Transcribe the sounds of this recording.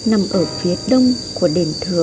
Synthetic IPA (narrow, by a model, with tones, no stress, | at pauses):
na˨˩mʔəː˧˩fi˨˦əɗə˧wŋ͡m | ku˧˩əɗe˧˩nt̪ʰɨ˧˩ə